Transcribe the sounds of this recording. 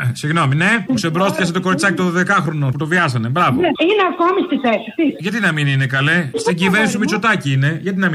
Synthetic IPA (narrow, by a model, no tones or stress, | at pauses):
siɣno̞mine̞puksebɾo̞st̪icɐs̬et̪oko̞ɾit͡sɐcit̪oðoðe̞kɐxɾo̞no̞put̪o̞vʝɐsɐne̞bɾɐvoineɐkomist̪iθesit̪iʝɐt̪inɐmininekɐlest̪iɟive̞ɾnist̪umit͡so̞t̪ɐciine̞ʝɐt̪inɐm